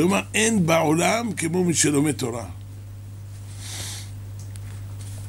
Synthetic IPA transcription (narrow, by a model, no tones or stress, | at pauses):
omaenbaolamkemo̞miʃelo̞met̪o̞ʁa